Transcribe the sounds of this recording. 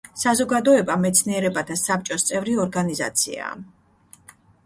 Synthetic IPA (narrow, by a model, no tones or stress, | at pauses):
sazɔɡad̪ɔɛbamɛt̪sʰniɛɾɛbat̪ʰasap̚t͡ʃʼɔst̪sʼɛvɾiɔɾɡaniza̰t̪sʰḭa̰